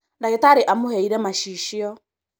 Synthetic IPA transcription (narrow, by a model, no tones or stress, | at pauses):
ndajɪtaɾɪʔamʊheiɾemaʃiʃɪɔ